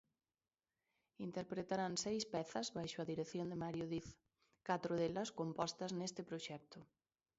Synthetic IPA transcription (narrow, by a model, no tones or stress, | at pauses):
int̪eɾpɾet̪aɾansejspɛθɐzβajʃʊɐðiɾeθjond̪emaɾjoðiθ | kat̪ɾʊðelɐskompɔst̪ɐznest̪ɪpɾoʃɛk̚t̪ʊ